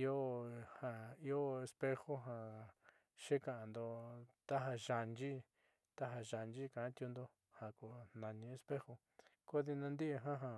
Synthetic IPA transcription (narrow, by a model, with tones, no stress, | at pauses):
i˦o˦ha˧i˦o˦e˧spe˦xo˦ɦa˧ | ʃe˦ka˨ʔa˧˨nd̪o˧t̪a˦ɦa˧ʒa˧nd͡ʒi˦ | t̪a˦ɦa˧ʒa˧˨nd͡ʒi˦kã˨˦t̪ju˧nd̪o˧ | ha˨ko˧˨nã˨nĩ˧e˧spe˦xo˧ | ko˦ði˧nã˧nd̪i˦ʔe˧ɦã˦ɦã˧